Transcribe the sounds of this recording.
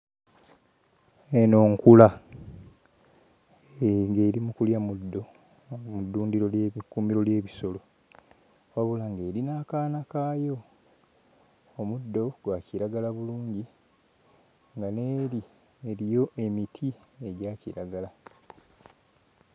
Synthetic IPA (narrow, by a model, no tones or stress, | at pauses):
eno̞ːŋkula | eŋɡe̞ːɾimukuljamud̪ːo̞ | mudːuːndiɾo̞ljkuːmiɾo̞lje̞ːβiso̞lo̞ | waβulaŋɡe̞ːɾinaːkaːnakaːjo̞ | mudːo̞ɡwaciɾaɡalaβuluːɲɟi | ŋɡane̞ːɾi | e̞ɾijo̞ʔe̞mitʰie̞ɟaːciɾaɡala